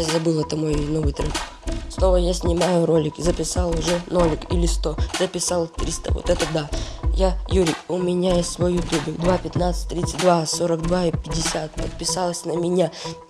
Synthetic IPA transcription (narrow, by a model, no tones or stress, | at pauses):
azɐbɨlˠɛt̪əmojnovɨjt̪ɾɨ̰n | snˠo̞vəjasʲnʲɪmajʊɾo̞lʲɪkʲɪzəpʲɪsɑlˠʊʐɛno̞lʲɪkilʲɪst̪o̞zəpʲɪsɑlˠt̪ɾʲist̪ə̰vo̰t̪ɛt̪əd̪ajajuɾʲɪjʊmʲɪnʲajesʲtʲsvojːʊt̪ʲubʲɪd̪vapʲɪt̪nat̪sɨ̥t̚ʲt̪ɾʲit̪sɨ̥t̚ʲd̪vasoɾəkd̪vaipʲɪdʲɪsʲat̪̚pət̪̚pʲɪsalˠəsʲnəmʲɪnʲa